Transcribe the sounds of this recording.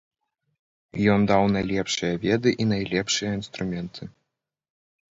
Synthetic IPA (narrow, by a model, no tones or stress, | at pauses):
jɔnd̪awnajlʲɛpʂɨjɐvʲɛd̪ɨʔinajlʲɛpʂɨjɐinst̪ɾumʲɛnt̪ʰɨ